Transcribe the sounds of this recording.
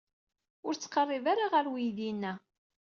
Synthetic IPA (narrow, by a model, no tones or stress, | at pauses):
ʊɾt͡sːə̥qərˤːɪvaɾaʁəɾwijðinːæ